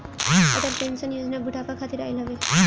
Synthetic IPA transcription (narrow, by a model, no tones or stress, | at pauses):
ət̪aɾpensənjod͡ʒnabʱuʈʰakakʰat̪iɾajlɦɔʋe